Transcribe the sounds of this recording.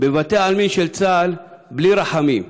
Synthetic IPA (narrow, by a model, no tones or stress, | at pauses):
bevat̪eaalminʃelt͡salbliɾaħamḭm